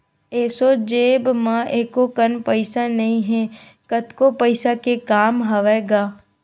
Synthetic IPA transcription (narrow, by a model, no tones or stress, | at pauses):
eːsod͡ʒeːbmãʔeːkokənpəɪsanɐɦĩɦɛ̃ː | kət̪kopəɪsakekaːmɦɐʋɛɡaː